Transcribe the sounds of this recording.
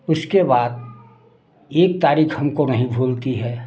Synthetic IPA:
ʊskebaːd̪̚ | eːk̚t̪aːɾiːxhɐmkonɐɦĩbʱoːlt̪iɦɛː

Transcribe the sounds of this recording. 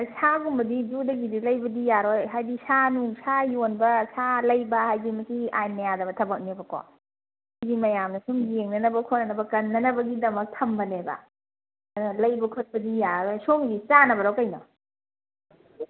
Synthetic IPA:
asaɡumbɐdid͡ʒudɐɡidilɐjbɐdijaɾojɦajdisanuŋsajonbɐsalɐjbɐhajɡimɐsiajnajadɐbɐtʰɐbɐk̚nebɐkɔ̰ | siɡimɐjamnɐsumɡeŋnɐnɐbɐkʰotnɐnɐbɐkɐnːɐnɐbɐɡidɐmɐk̚tʰɐmbɐnebɐ̰ | nɐlɐjbɐkʰot̚bɐdijaɾojsoŋɡit͡ʃanɐbɐɾawkɐjnɔ̰

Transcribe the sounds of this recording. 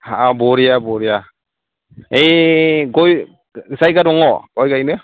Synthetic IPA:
haabɔɾijabɔɾija | ejɡɔj | sajɡadɔŋɔɡɔjɡajnɯ

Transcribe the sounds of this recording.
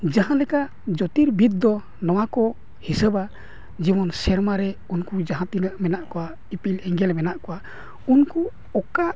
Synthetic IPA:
d͡ʒaɦãlɛkaʔ | d͡ʒɔt̪iɾbit̪̚d̪ɔ | nɔwakɔ | hisəba | d͡ʒibɔnsɛɾmaɾɛ | unkud͡ʒaɦãt̪inaʔmɛnaʔkɔwa | ipilɛŋɡɛlmɛnaʔkɔwa | unku | ɔkaʔ

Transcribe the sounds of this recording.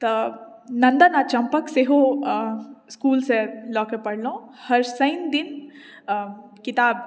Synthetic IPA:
t̪ɐ | nɐ̃nd̪anat͡ʃɐ̃mpəkseɦo | skuːlselɔːkepɐɽlõhɐɾsɐ̃ɪnd̪ɪn | kɪt̪aːb̚

